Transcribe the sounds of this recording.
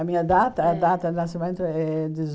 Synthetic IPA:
amiɲad̪at̪ɐːd̪at̪ɐnasimẽnt̪ʊɛd̪ɪz

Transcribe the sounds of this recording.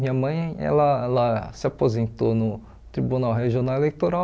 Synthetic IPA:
mĩɲɐmɐ̃j̃ɛ̰lɐɛlɐsɪapozẽnt̪onʊ | t̪ɾibunawɦeʒionawelejt̪oɾaw

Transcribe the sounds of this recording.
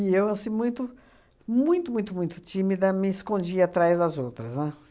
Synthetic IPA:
ɪewasĩmũj̃t̪ʊ | mũj̃t̪ʊmũj̃t̪ʊmũj̃t̪ʊ̥t͡ʃĩmid̪ɐmɪɪskõnd͡ʒiat̪ɾajzd̪ɐzowt̪ɾɐznɛ

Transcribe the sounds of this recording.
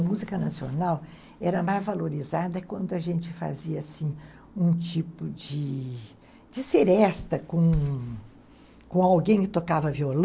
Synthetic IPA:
muzikɐnasio̰naw | ɛɾɐmajzvaloɾizad̪ɐkwɐ̃nd̪ʊaʒẽnt͡ʃɪfa̰ziɐsĩ | ũt͡ʃipʊd͡ʒɪ | d͡ʒɪseɾɛst̪ɐkõ | kõawɡẽj̃kɪt̪okavɐviol

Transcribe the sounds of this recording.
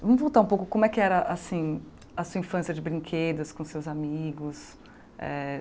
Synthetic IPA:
vɐ̃mʊvowˠt̪aɾũpowkʊkõmʊɛkɪɛɾɐʔasĩ | ɐsuɐĩfɐ̃sijɐd͡ʒɪbɾĩŋkʰed̪ɐskõsewzamiɡʊs | ɛ̰

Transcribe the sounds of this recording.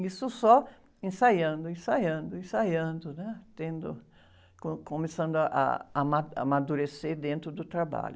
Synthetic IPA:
isʊsɔ | ẽsajɐ̃nd̪ʊẽsajɐ̃nd̪ʊẽsajɐ̃nd̪ʊnɛt̪ẽnd̪ʊ̰ | kõkõmesɐ̃nd̪ʊaʔa̰amaamad̪uɾeseɾd̪ẽnt̪ɾʊd̪ʊt̪ɾaba̰ʎʊ

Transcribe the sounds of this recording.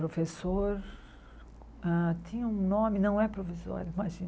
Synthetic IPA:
pɾofesoɾ | ãt̪ʰẽɲɐũnõmɪnɐ̃w̃ɛpɾovizɔ̰ɾjʊimaʒĩn

